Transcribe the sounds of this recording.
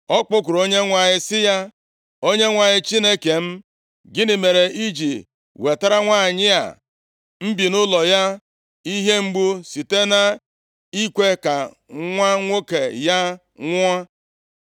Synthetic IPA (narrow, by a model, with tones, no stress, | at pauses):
ɔ˦k͡pʊ˦kʊ˨ɾo˦ɲe˦ŋʷa˨ɲɪ˦sɪ˦ja˦ | o˦ɲe˦ŋʷa˨ɲɪ˦t͡ʃi˦ne˦ke˨m̩˦ | ɡɪ˦nɪ˨me˨ɾe˨ʔi˦d͡ʒi˨ | we˨ta˦ɾa˦ŋʷaː˦˨ɲɪ˦a̰˨ | m̩˦bi˨nʊ˦lɔ˨ja˦ | i˦ɦe˦ŋ͡m̩˦ɡ͡bu˦si˨te˦na˨ | i˦kʷe˦ka˨ | ŋʷa˦ŋʷo˦ke˨ja˦ | ŋʷ˦a˦